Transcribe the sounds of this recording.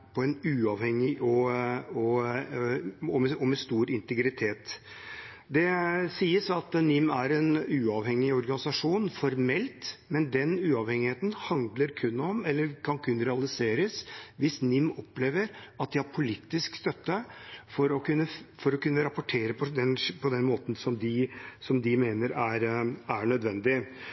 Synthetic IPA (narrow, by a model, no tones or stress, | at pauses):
pʰɔɛnʉːɑʋhɛŋːɪʔɔɔ | ɔmɛɔmɛst̪uːɾɪnt̪əɡɾɪt̪ʰeːt̪ | d̪ɛsiːəsɑt̪nɪmːæɾɛnʉːɑʋhɛŋːɪɔɾɡɑnɪsɑʂuːnfɔɾmɛlt̪mɛnd̪ɛnʉːɑʋhɛŋɪheːt̪nhɑnd̪ləɾkʰʉnːɔmɛlːəɾkʰɑnkʰʉnːɾɛɑlɪseːɾəsʋɪsnɪmːɔpleːʋəɾɑt̪̚d̪ɪɑɾpʰʊliːt̪ːɪskst̪œt̪ːəfɔɾɔkʉnːəfɔɾɔkʉnːəɾɑpʊʈʰeːɾəpʰɔd̪ɛnpʰɔd̪ɛnmoːt̪n̩sɔmd̪ɪsɔmd̪ɪmeːnəɾæɾæɳœd̪ʋɛnd̪ɪ